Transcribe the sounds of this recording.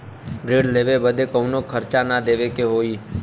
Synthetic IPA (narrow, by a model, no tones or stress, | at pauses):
ɾeɖleʋebəd̪ʱekəwnokʰəɾt͡ʃanad̪eʋekeɦoi